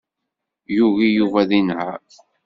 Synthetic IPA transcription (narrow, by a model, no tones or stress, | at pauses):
juʝijuvæðinhæ